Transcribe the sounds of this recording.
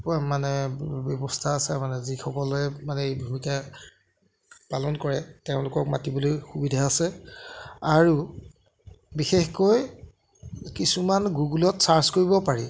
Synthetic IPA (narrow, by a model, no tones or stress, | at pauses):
manɛbjɔbɔstʰaːsɛmanɛzixɔkɔlɛmanɛjbʱumika | palɔnkɔɹɛteʊ̃lʊkɔk̚matibɔlojxubidʱaːsɛ | aɹu | bixexkoj | kisumanɡuɡulɔtsaɹzkoɹibɔpaɹi